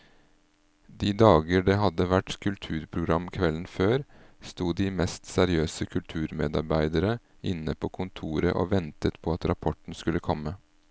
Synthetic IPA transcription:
d̪iːd̪ɑːɡəɖeːɦɑd̪əʋæʈkʰʉlt̪ʰʉːɾpʰɾʊɡɾɑmkʰʋɛlən̩føːɾst̪uːd̪iːmɛst̪sæɾɪøːsəkʰʉlt̪ʰʉːɾmḛːd̪ɑɾbæɪd̪əɾə | ʔɪnːəpʰoːkʰʊnt̪ʰuːɾə̰ʔo̰ːʋɛnt̪ət̪pʰɔɑt̪ɾɑpʰɔʈn̩skʉləkʰɔmːə

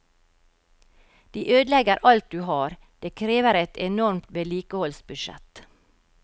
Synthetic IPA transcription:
d̪̥iːʔøːd̪lɛɡəɾʔɑlt̪̚d̪ʉːhɑːɾ | d̪̥eːkʰɾeːʋəɾɛt̪ɛnɔɾmt̪ʋɛliːkəhɔlsbʉʃɛ̰t̪

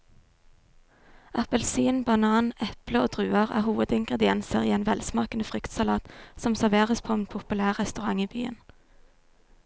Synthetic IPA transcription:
ʔɑpəlsiːnbɑnɑːnɛpləoːd̪ʁʉːɑʁæ̰ːhuːʋəd̪ɪŋɡʁɛd̪ɪɛnsəʁiːeːnʋɛlsmɑːkənəfʁʏkt̪sɑlɑːt̪sɔmsæʁʋeːʁəspʰoːɛnpʰʊpʉlæːʁʁɛst̪ʉʁɑŋiːby̰ːə̰n

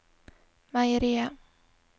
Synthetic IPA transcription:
majɾia

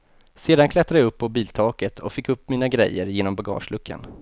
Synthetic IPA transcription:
seːd̪ankʰlɛt̪ːɾad̪jɵpːɔbiːlt̪ʰɑːkət̪ʰɔ̰kfɪkːɵpːmiːnaɡɾɛ̰jːəɾjeːnɔmbaɡɑ̰ːʂlɵkʰːə̰n

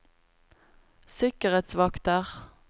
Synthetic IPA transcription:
sɪkəʁeːt̪sʋɑkt̪əʁ

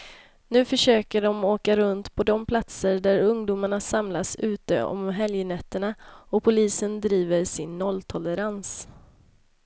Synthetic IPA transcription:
nʉ̟ːfœʂøːkəɖɔmoːkaɾɵnt̪pʰɔd̪ɔmpʰlat̪səɖæɾɵŋd̪uːmaɳasamlasʉ̟ːt̪ə̰ɔ̰mɦɛljənɛt̪ːəɳaɔpʰʊliːsənd̪ɾiːvəɾsɪnːɔlt̪ʰɔləɾans

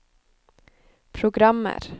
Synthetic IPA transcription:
pʰɾʊɡɾɑmːə̰ɾ

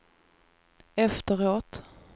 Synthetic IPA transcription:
ɛft̪əɾoːt̪

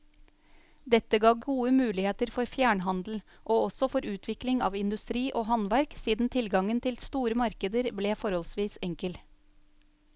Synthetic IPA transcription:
d̪ɛt̪əɡɑːɡuːəmʉːlɪheːt̪əɾfɔɾfjæːɳɦɑnd̪l̩ | ʔoːɔsɔfɔɾʉːt̪ʰʋɪklɪŋɑ̰ːʋɪnd̪ʉst̪ɾiːʔoːɦɑnʋæɾksiːd̪n̩t̪ʰɪlɡɑŋənt̪ʰɪlst̪uːɾəmɑɾkəd̪əɾbleːfɔɾhɔlsʋiːsɛŋkəl

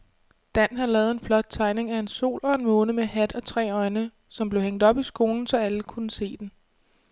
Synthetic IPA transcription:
d̥æn̰ɦɑlɛːð̩ˠe̝nflɒ̽d̥̚t͡sʰɑ̈ɪne̝ŋæe̝nso̝̰ːlɒ̽e̝nmɔ̽ːnəmehæd̥ɒ̽t͡sʰʁɛ̰ːɒ̽ɪnə | sɒ̽mb̥leʊheŋ̰d̥ɒ̽b̥isɡ̥o̝ːln̩sɒ̽æləkʰunəse̝̰ːd̥en

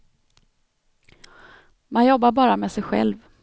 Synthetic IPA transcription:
manjɔbːaɾbɑːɾamɛsɛjɧɛ̰lv

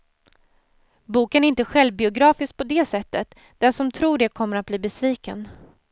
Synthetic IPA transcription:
buːkənæɾɪnt̪əɧɛlvbɪʊɡɾɑːfɪsk̚pʰɔd̪ɛːsɛt̪ːət̪ | d̪̥ɛnsɔmt̪ʰɾuːɖɛkʰɔmːəɾat̪̚bliːbɛsviːkə̰n

